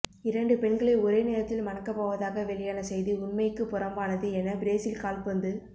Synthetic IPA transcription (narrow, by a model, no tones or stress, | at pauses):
ɪɾɐɳɖɯpɛɳɡɐɭɐːɔɾeːneːɾɐt̪ːɪlmɐnɐkːɐpːoːʋɐðaːɣɐʋɛɭɪjaːnɐsɛjðiʊnmɐjkːɯpːʊɾɐmbaːnɐðɯɛnːɐbɪɾeːsɪlkaːlpɐnd̪ɯ